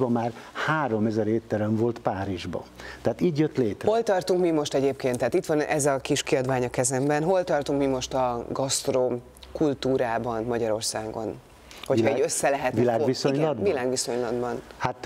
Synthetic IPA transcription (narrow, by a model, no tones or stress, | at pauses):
bɒmaːr | haːɾo̞mɛzɛɾeːt̪ːɛɾɛɱvo̞lt̪paːɾiʒbɒ̰t̪ɛat̪iːɟjøt̪leːt̪ho̞lt̪ɒrt̪uŋkmimo̞ʃt̪ɛɟeːpkeːnt̪ːaːt̪it̪ʋɒnɛzɒkiʃkiɒd̪ʋaːɲɒkɛzɛmbɛnɦo̞lt̪ɒrt̪uŋkmimo̞ʃt̪ɒɡɒst̪rom | kult̪uːɾaːbɒnmɒɟɒɾo̞rsaːɡo̞̰n | ho̞cʰɒɛɟøsːɛlɛɦɛt̪ilaːɡʋisoɲlɒd̪vilaːɡʋiso̞ɲlɒd̪bɒnhat̪